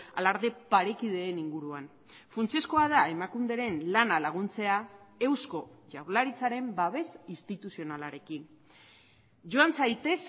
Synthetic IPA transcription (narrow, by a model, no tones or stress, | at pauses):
alaɾðe̞paɾe̞kið̞e̞ːniŋɡuɾuan | funt͡sesko̞að̞ae̞makund̪e̞ɾe̞nlanalaɣ̞unt͡se̞ae̞wsko̞ʝawɾlaɾit͡saɾe̞mbaβe̞sist̪it̪usio̞nalaɾe̞kin | ʝo̞ansajt̪e̞s